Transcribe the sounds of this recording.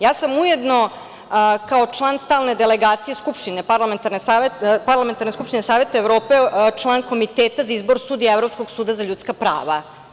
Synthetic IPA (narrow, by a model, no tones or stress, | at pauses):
jaːsamujed̪no̞ | kaot͡ʂlˠaːnst̪aːlne̞d̪eleɡaːt̪sijeskupʂt̪inepaɾlament̪aɾnesaepaɾlˠament̪aɾneskupʃt̪inesaːʋe̞t̪aevɾo̞ːpe̞t͡ʂlˠaːnko̞mit̪eːt̪azaizboɾsuːd̪ijaevɾopsko̞ɡsuːd̪azaʎuːt̪skapɾa̰ːʋa̰